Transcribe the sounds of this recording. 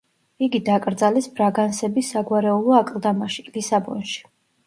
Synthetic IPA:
iɡid̪akʼɾd̪zalɛsbɾaɡansɛbisːaɡwaɾɛulˠɔakʼlˠd̪amaʃi̥lisabɔ̰nʃi̥

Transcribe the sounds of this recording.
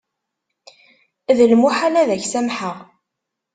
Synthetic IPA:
ðəlmuħalæðæçsæmħəʁ

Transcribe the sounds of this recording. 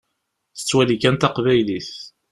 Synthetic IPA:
θə̥t͡sːwælikænt̪ɑqvæjliθ

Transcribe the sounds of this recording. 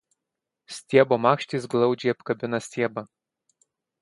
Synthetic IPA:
sʲt̪ʲiɛboːmɑːkʃʲt̪ʲiːˑs̬ɡlˠɒʊd͡ʒʲɛɪɐpkɐbʲɪnɐsʲt̪ʲiɛbɐ

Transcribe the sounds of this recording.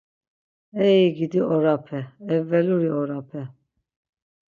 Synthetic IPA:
ɛiɡid̪iɔɾapʰɛɛvɛluɾiɔɾapʰɛ

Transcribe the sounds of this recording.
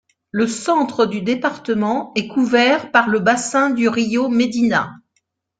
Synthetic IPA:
ləsɑ̃t̪χəd̪yd̪epaʁt̪əmɑ̃ɛkuvɛʁpaʁləbasɛ̃d̪yʁijomed̪ina̰

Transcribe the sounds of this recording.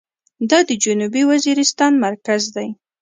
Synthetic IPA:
d̪ɑd̪əd͡ʒʊnubiwaziɾɪst̪ɑnmaɾkazd̪aj

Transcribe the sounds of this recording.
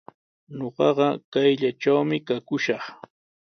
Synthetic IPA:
ɲoɢɑɢɑkajʎat͡ʃawmɪkakʊʃɑχ

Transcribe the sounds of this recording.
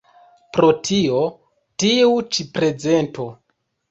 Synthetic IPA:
pɾo̞tʰio | tiut͡ʃipɾe̞d͡zento

